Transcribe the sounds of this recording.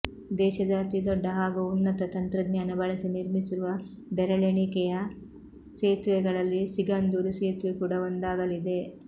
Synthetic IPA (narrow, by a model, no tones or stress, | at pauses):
d̪ɛːʃɐd̪aːt̪id̪ɔɖːɐɦaːɡuunːɐt̪ɐt̪ɐnt̪ɾɐd̪ɲaːnɐbɐɭɐsiniɾmisiɾuʋɐ | bɛɾɐɭeɳikɛjɐ | seːt̪ʋɛɡɐɭɐlːisiɡaːnd̪uːɾuseːt̪ʋekuːɽɐond̪aːɡɐlid̪e̞